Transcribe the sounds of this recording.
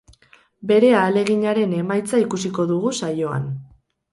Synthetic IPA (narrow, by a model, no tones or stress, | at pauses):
be̞ɾe̞aːle̞ɣiɲaɾe̞ne̞majt͡saikusiko̞ðuɣ̞usajo̞a̰n